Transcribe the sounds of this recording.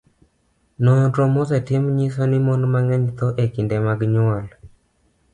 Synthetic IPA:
nɔɲɔtɾomozɛtɪmɲisonɪmɔndmaŋɛɲt̪ɔʔekɪndemaɡɲwɔl

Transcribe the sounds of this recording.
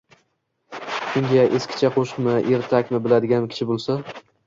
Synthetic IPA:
kʲʰɪŋɡʲaʔeskʲʰɪ̥t͡ʃʰaqʰoʃqmɪʔeɾt̪ʰakʲmɪbɪlad̪ɪɡʲanmkʲʰɪ̥t͡ʃʰɪbolˠsa

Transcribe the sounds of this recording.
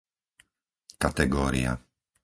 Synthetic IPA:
kat̪ɛɡɔːɾḭa̰

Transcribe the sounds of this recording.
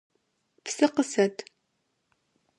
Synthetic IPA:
psɐqəsɐt

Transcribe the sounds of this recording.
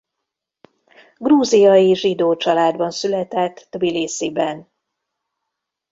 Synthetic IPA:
ɡruːzijɒjiʒid̪oːt͡ʃɒlaːd̪bɒnsylɛt̪ɛt̪ːbileːsibɛn

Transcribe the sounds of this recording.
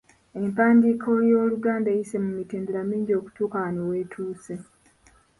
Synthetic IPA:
e̞mpaːndiːkʰo̞jo̞ːluɡaːndaejise̞mumitiːndulamiːɲɟo̞ːku̥tuːkawanowe̞ːtʰuːse

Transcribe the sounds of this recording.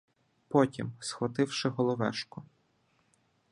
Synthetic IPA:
pɔtʲimsxɔt̪ɪwʃɪɦɔlˠɔʋɛ̰ʃkɔ

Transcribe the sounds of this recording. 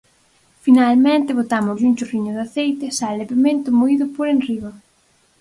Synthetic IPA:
finalmẽnt̪ɪβot̪amʊsuŋt͡ʃoriɲʊðaθejt̪ɪsalepemẽnt̪ʊmoiðʊpoɾenriɣo

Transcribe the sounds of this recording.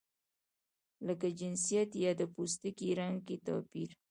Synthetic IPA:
ləkad͡ʒɪnsijat̪jɑd̪əpust̪əkiɾaŋket̪ɑ̰piɾ

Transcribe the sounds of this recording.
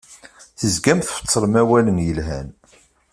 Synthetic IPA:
θəzɡæmθfə̥t͡sˤːɾəmæwælənjəlɦæ̰n

